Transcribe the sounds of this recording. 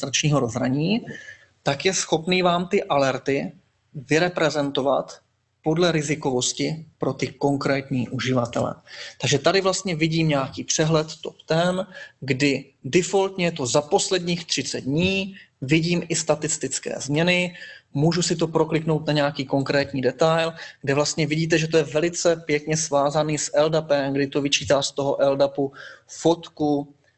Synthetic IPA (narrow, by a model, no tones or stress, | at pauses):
t̪ɾat͡ʃɲiːɦo̞ɾo̞zɾaɲiː | t̪akjɛsxo̞pniːvaːmt̪ɪʔalɛɾt̪ɪ | vɪɾɛpɾɛzɛnt̪o̞va̰t̪ | po̞dlɛɾɪzɪko̞vo̞scɪpɾo̞t̪ɪko̞ŋkɾɛːt̪ɲiːʔuʒɪvat̪ɛ̰lɛ̰t̪aɡʒɛt̪adɪvlast̪ɲɛvɪɟiːmɲɛakiːpr̝̥ɛɦlɛt̪t̪o̞pt̪ɛmɡdɪ | dɪfo̞lt̪ɲɛjɛt̪o̞zapo̞slɛdɲiːxt̪r̝̥ɪt͡sɛd̪̚dɲiːvɪɟiːmʔɪst̪at̪ɪst̪ɪt͡skɛ̰ːzmɲɛnɪmuːʒusɪt̪̬o̞pɾo̞klɪkno̞wt̪naɲɛakiːko̞ŋkɾɛːt̪ɲiːdɛt̪ajlɡdɛvlast̪ɲɛvɪɟiːt̪̬ɛʒɛt̪ojɛvɛlɪt͡sɛpjɛkɲɛsvaːzaniːsʔɛldapɛmɡdɪt̪o̞vɪt͡ʃiːt̪aːst̪o̞ɦoʔɛldapufot̪ku